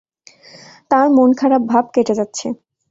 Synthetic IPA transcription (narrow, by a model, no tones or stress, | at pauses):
t̪ãɾmonkʰaɾab̚bʱabkeʈed͡ʑatːɕʰe